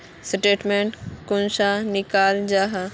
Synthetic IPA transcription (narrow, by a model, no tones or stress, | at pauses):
sɪʈeːʈmẽɳʈkʊnʃanɪkaːld͡ʑaːɦa